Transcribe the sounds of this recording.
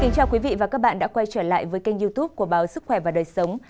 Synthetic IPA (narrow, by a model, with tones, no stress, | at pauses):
kï˨˦ŋt͡ɕaː˧˩wkwi˨˦vḭ˧˨vaː˨˩kaː˦˥k̚ɓa̰ː˧˨nɗa̰ː˧˥kwa˧jt͡ɕəː˧˩la̰ː˧˨jvəː˨˦jka˧jŋ̟zu˧t̪u˦˥p̚ku˧˩əɓaː˨˦wsɨ˦˥k̚xwɛ˧˩vaː˨˩ɗəː˨˩jsə˨˦wŋ͡m